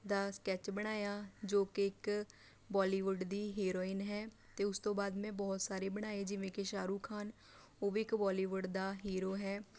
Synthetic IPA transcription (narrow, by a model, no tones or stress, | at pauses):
d̪aːskɛːt͡ʃbəɽ̃aːjaːd͡ʒoːkeɪk | bɔːliːʋʊɖd̪iːɦeːɾoːɪnɦɛː | t̪eːʊst̪õːbaːd̪mɛ̃ːbɔːt̪saːɾeːbəɽ̃aːeːd͡ʒɪʋẽːkeʃaːɾuːkʰaːn | oːʋiɪkbɔːliːʋʊɖd̪aːɦeːɾoːɦɛː